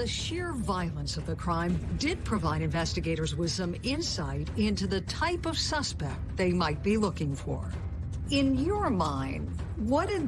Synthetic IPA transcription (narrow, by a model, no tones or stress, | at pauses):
ðɨʃɪɹvaɪlˠə̃nsʌvðɨkʰɹ̥ãɪ̃mdɪd̚pʰɹ̥ɨvaɪɾɨ̃ɱvɛstɨɡeɪɾə˞zwɪð̥sʌ̃mɪ̃nsaɪɾɪ̃ntʉðɨtʰaɪpʌv̥sʌspɛk̚t̪̚ðeɪmaɪt̚b̥ilʊkɪ̃ŋfə̰ɹ | ɪ̃njə˞mãɪ̃ndwʌɾɨ